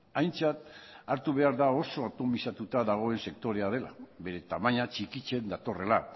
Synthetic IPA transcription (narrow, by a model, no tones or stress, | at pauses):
ajnt͡sat̪aɾt̪uβ̞e̞aɾðao̞so̞at̪o̞misat̪ut̪aðaɣ̞o̞e̞nse̞k̚t̪o̞ɾe̞að̞e̞la̰βe̞ɾe̞t̪amaɲat͡ʃikit͡ʃe̞nd̪at̪o̞re̞la